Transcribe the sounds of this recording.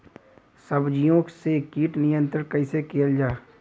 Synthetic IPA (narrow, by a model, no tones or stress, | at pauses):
səbd͡ʒijõksekiːʈnɪjə̃nt̪ɾəɾkɐisekeːld͡ʒaː